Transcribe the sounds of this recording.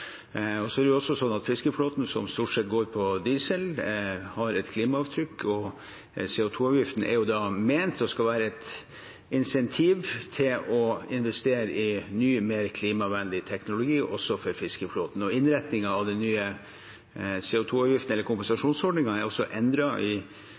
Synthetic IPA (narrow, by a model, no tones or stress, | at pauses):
ɔsɔæɾɛjʊɔsːɔsɔnːɑt̪fɪskəfloːt̪nsɔmst̪uːʈʂɛt̪̚ːɡoːɾpʰɔd̪iːsəlhɑɾɛt̪kʰliːmɑɑʋt̪ʰɾʏkːɔ | seːʊt̪ʰuːɑːʋjɪft̪n̩ɛ̰ɾjʊd̪ɑmeɪnt̪ːɔskɑlʋæːɾəɛt̪ | ɪnsɛnt̪ʰiːʋt̪ʰɪlɔɪnʋɛst̪eːɾəʔɪnyːmeːɾkʰliːmɑʋɛnd̪ɪt̪ʰɛknʊlʊɡiːʔɔsːɔfɔɾfɪskəfloːt̪n̩ɔɪnɾɛt̪nɪŋɑɑʋd̪ɛnːyːə | seːʊt̪ʰuːɑʋjɪft̪n̩ɛlːəɾkʰʊmpɛnsɑʂuːnsɔɖɳɪŋɑæɾɔsɔʔɛnd̪ɾɑʔɪ